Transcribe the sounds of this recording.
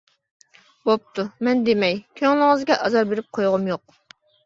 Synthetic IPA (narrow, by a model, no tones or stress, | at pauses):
bop̚t̪ʰumɛnd̪emɛjkʲʰøŋlˠɪŋəzɡʲɛʔɑzɑɾbeɾɪp̚qʰojʁʊmjoq̚